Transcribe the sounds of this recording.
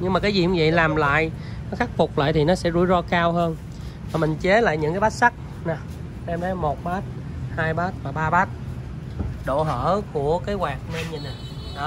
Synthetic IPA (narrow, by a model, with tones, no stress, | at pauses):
ɲɨ˧ŋmaː˨˩kaː˨˦jzḭ˧˨ŋ˦və̰˧˨jlaː˨˩mla̰ː˧˨j | nɔ˨˦xa˦˥k̚fʊ˨˩k͡p̚la̰ː˧˨jt̪ʰi˨˩nɔ˨˦sɛ̰˧˥zṵ˧˩˦jzɔ˧kaː˧wɦəː˧n | vaː˨˩mï˨˩ŋ̟t͡ɕe˨˦la̰ː˧˨jɲɨ̰˧˥ŋkaː˨˦jɓaː˦˥t̚sa˦˥k̚ | na˨˩ | sɛ˧mt̪ʰa˨˦jmo˨˩t̚ɓaː˦˥t̚ | haː˧jɓaː˦˥t̚vaː˨˩ɓaː˧ɓaː˦˥t̚ | ɗo̰˧˨ɦə̰ː˧˥ku˧˩əkaː˨˦jɣwaː˨˩k̚nə˧nɲə˧˩na˨˩ | ɗɔ˨˦